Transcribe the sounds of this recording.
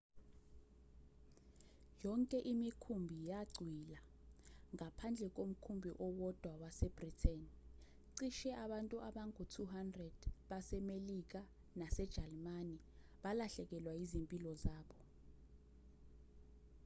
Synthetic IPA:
jɔŋkʼɛʔimikʰumbʱijaɡ͡ǀʱwilaŋapʰand͡ɮʱɛk̬om̩kʰumbʱiʔɔwɔd̥ʱwawasɛb̥ritʰɛn | ǀiʃɛʔaɓantʼuʔaɓaŋutʰuɦandrɛd̥ɓasɛmelik̬a | nasɛd̥ʒ̥ʱalmani | ɓalaɬɛk̬ɛlwaizimpʼilɔzaːɓɔ

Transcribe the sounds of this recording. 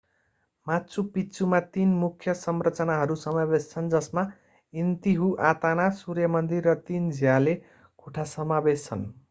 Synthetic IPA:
mat͡sʰupit͡sumat̪inmukʰjʌsʌmrʌt͡sʌnaɦʌɾusʌmabest͡sʰʌnd͡zʌsma | int̪iɦuʔat̪anasurjʌmʌnd̪irːʌt̪ind͡zjale | kʰoʈʰasʌmabest͡sʰʌ̰n

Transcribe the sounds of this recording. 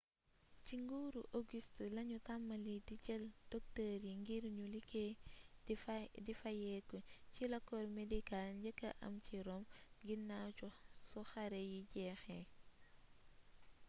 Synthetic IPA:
ciŋɡuːɾuʔoɡistlɐɲutamːɐlidicɛld̥ok̚təɾjiŋɡiɾɲulike | difɐjɛːkocilɐkːɔɾmedikalɲɟəkːɐ̰ʔɐ̰mciɾɔmɡinːausɔxɐɾejiɟɛːxɛ

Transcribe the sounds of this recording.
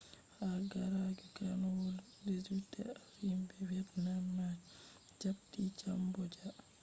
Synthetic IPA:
haɡaɾaɡɛkanɔwɔl | dezutːɛ̰aɾimbɛwɛɾnamːa | d͡ʒab̚tid͡ʒambɔd͡ʒa

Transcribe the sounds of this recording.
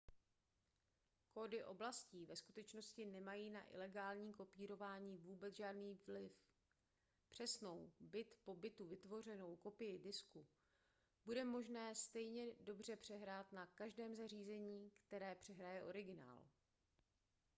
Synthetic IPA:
ko̞dɪʔo̞blasciːvɛskut̪ɛt͡ʃno̞scɪnɛmajiːnaʔɪ̰lɛɡaːlɲiːko̞piːɾo̞vaːɲiːvuːbɛt͡sʒaːdniːvlɪf | pr̝̥ɛsno̞wbɪt̪po̞bɪt̪uvɪt̪vo̞r̝ɛno̞wko̞pɪjɪdɪsku | b̥udɛmo̞ʒnɛːst̪ɛjɲɛdo̞br̝ɛpr̥ɛɦɾaːt̪nakaʒdɛːmzariːzɛɲiːkt̪ɛɾɛːpr̝̥ɛɦɾajɛʔo̞ɾɪɡɪna̰ːl

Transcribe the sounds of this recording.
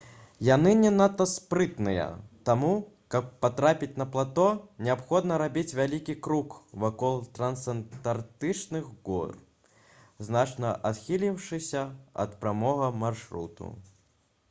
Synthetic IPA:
janɨnʲɛnat̪ɐspɾɨt̪nɨjɐ̰t̪amu | kɐpːat̪ɾapʲit͡sʲnɐplˠat̪ɔnʲɛapxɔd̪nɐɾabʲit͡sʲvʲalʲikʲikɾukvakɔlˠt̪ɾɐnsɐnt̪art̪ɨt͡ʂnɨɣɡɔ̰r | znat͡ʂnɐʔat̪xʲilʲiwʂɨsʲɐɐ̰t̪pɾamɔɣɐmarʂɾṵt̪ṵ

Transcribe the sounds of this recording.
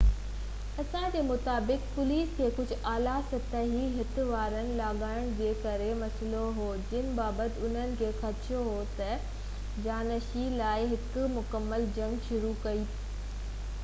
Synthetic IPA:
ɐsãd͡ʑeːmʊt̪aːbɪkpʊliːskʰeːkʊd͡ʑʱʊ̆aːlasɐt̪əɦiɦɪt̪ɪ̆ʋaːɾənɪ̆laːɠaːɪɽ̃d͡ʑeːkɐɾemɐsloɦoːd͡ʑɪnɪ̆baːbət̪ɪʊn̤ənɪ̆kʰeːxɐɾt͡ɕijoɦot̪ɐ | d͡ʑaːnəʃilaːɪɦɪkʊ̆mʊkəmːəld͡ʑɐ̃ŋɡʃʊɾukɐi

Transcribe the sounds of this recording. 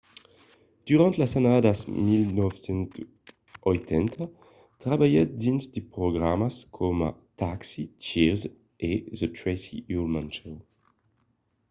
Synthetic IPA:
d̪̥yʁɑ̃nt̪lasanad̪asmilnɔfsɛ̃nt̪ | ʔɔjt̪ʰɛnt̪ʰa | t̪ʁabajɛt̪̚d̪insd̪epʁɔɡʁamaskʰɔma̰t̪aksit͡ʃiʁz | ezətɹɛsḭuʁmãnt͡ʃɛw

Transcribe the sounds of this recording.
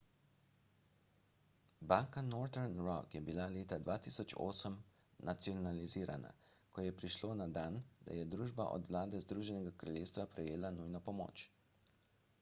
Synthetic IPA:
baŋkanɔːɾt̪ɛɾnɾɔkjɛbilaleːt̪ad̪ʋaːt̪iːsɔt͡ʃo̰ːsəm | nat̪siɔnaliziːɾa̰na̰kɔjɛpɾiʃloːnad̪aːnd̪̥a̰jɛd̪ɾuːʒba̰ʔɔ̰d̪ʋlaːd̪ɛzd̪ɾuːʒɛnɛɡakɾalʲjeːst̪ʋapɾɛjeːlanujnɔpɔmo̰ːt͡ʃ

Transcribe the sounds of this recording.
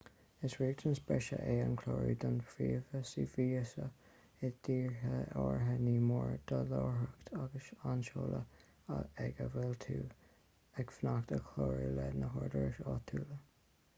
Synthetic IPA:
ɪsɹiːɡ̚dənsbɛʃə̰ʔeːankʰloːɹid̪anfiːvəsiːviːəsə | ɪd̪̥iːɹɦəɔːɹɦəniːmɔɹd̪̥əloːɹɦəkt̪ʰaɡəʃanʃoːlʔə | aɛɡəvɛlt̪ʰuː | ɛkfnakt̪əkʰloːɹilɛdnəɦɔɹdəɹɪʃɑt̪ʰuːlə

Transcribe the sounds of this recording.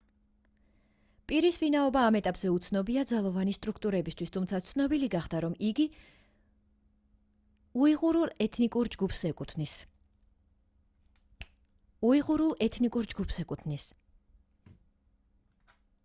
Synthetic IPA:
pʼiɾisvinaɔbaːmɛt̪ʼapʼzɛut̪sʰnɔbiad̪zalˠɔvanist̪ʼɾukʰt̪ʼuɾɛbist̪ʰwist̪ʰumt̪sʰat̪sʰnɔbiliɡaχd̪aɾɔmiɡi | uiʁuɾulˠɛt̪ʰnikʼuɾd͡ʒɡupsɛkʼuni | uiʁuɾulˠɛt̪ʰnikʼuɾd͡ʒɡupʰsɛkʼunis

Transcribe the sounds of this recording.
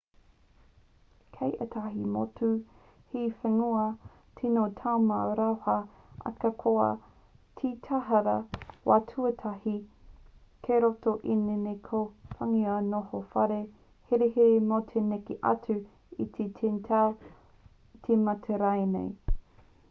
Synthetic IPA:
kʰejʔetʰaɦimo̰tu | hifeŋuɐ | tʰinotʰawmaɾawhɐ | ʔɐ̰kɐkʰoɐ̰ | tʰitʰaɦɐɾɐwa̰ːtʰuɐtʰahi | kʰeɾotoʔinenekʰofaŋiɐnohofɐɾe | heɾehemot̪ʰenekeʔɐ̰t͡sʉ | it̪ʰetʰentʰaw | t̪ʰemɐtʰeɾajnḛj

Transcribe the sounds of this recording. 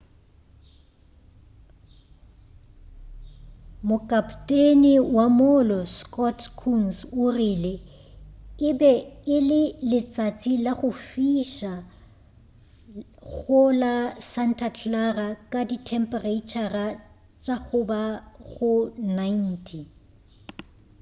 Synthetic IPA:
mʊkʼapʰtʼenɪwamʊlɔskʼɔtʰkʰunsʊrile | ɪbɛɪlɪlɪt͡sʼat͡sʼilaɣʊfiʃa | ɣʊlasan̩tʰat͡ɬʰarakʼaditʰɛmpʼɛreit͡ʃʰara | t͡ʃʼaɣʊbaɣʊnain̩tʰi

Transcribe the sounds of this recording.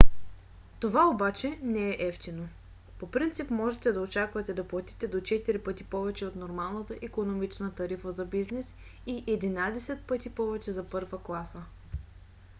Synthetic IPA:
t̪ovaobat͡ʃɛnɛɛʔɛft̪ino | popɾint̪sipmɔʒɛt̪ɛd̪ɐot͡ʃakvɐt̪ɛd̪ɐplˠɐt̪it̪ɛd̪ot͡ʃɛt̪iɾipɤt̪ipɔvɛt͡ʃɛot̪noɾmalˠnət̪əʔikonomit͡ʃnət̪ɐɾifəzɐbiznɛs | iʔɛd̪inad̪ɛsɛt̪̚pɤt̪ipɔvɛt͡ʃɛzɐpɤɾvəklˠasə

